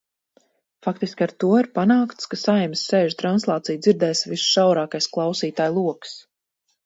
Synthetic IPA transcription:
fakt̪iskʲaɾt̪uɔiɾpanaːkt̪skasajɛmsːeːʒt̪ɾanslˠɑːt̪sijd̪ziɾd̪ɛːsvisʃawɾaːkajsklˠɑwsiːt̪aːjlˠuɔks

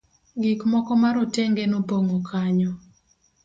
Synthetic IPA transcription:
ɡikmɔkɔmaɾɔtɛŋɡɛnopoŋokʰaɲɔ

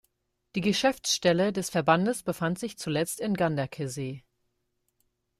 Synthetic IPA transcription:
d̥iːɡəʃɛft͡sʃtɛlədɛsfɛɐbandəsb̥əfantz̥ɪçt͡sulɛt͡stɪnɡandɐkʰezeː

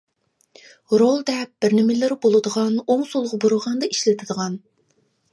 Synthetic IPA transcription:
ɾolˠd̪ɛp̚b̥ɪɾnɪmɪlɪɾɪbolˠɨd̪əʁɑnoŋsolˠʁboɾʊʁɑnd̪ɑiʃlɪt̪ʰɪd̪əʁɑn

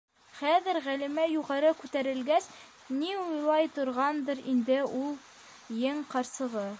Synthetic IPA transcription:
χæðɘɾʁælimæjuʁɑɾɤkʉt̪æɾɘ̆lɡæs | niujlˠɑjt̪ŏɾʁɑnd̪ɤɾind̪ɘulˠ | jɘŋqɑɾsɤ̆ʁɤ

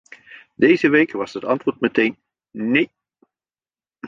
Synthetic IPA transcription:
dejzəʋejkʋɑsɦətɑntʋʊːɹtmətejn | ne

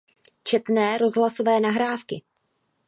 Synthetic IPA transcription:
t͡ʃɛt̪nɛːɾo̞zɦlaso̞vɛːnaɦɾaːfkɪ

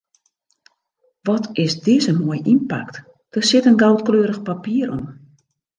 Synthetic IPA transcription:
ʋɔtɪsdɪzənmoːjimpa̰kt | d̥ərsɪtənɡawtkløːɾəxpapiəɾo̰m

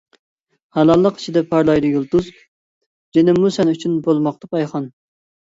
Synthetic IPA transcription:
hɑlˠɑlˠːəqi̥t͡ʃʰid̪ɛpʰɑɾlˠɑjd̪ɨjulˠt̪uz | d͡ʒenɪmːusɛnyt͡ʃʰynbolˠmɑq̚t̪ɑpʰɑjχɑn

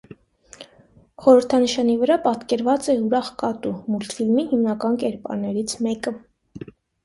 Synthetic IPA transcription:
χɔɾəɾt̪ʰɑnəʃɑnivəɾɑpɑt̪kɛɾvɑt͡sɛuɾɑχkɑt̪umult̪ʰfilmihimnɑkɑnkɛɾpɑ̰ɾnːɛɾit͡sʰmɛkə

